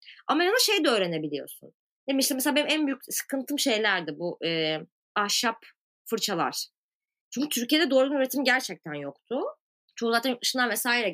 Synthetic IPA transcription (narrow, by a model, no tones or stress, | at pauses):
a̰mɛɾnaʃe̞jd̪ɛøːɾe̞ne̞bilʲijo̰ɾsṵn | d̪emiʃt̪imeselabenimænbyjycsɯ̥kʰɯnt̪ʰɯmʃe̞jlʲæɾd̪ɪbuʔɯː | aʃap | fɯɾt͡ʃʰalˠa̰ɾ̥ | t͡ʃʰyɲcyt̪ʰyɾcijed̪ɛd̪oɾulˠunyɾet̪ʰimɟæɾt͡ʃʰɛc̚t̪ʰænjokt̪ʰʊ | t͡ʃʰouzˠat̪anjkɯʃɯnlˠanvɛsaːiɾɛ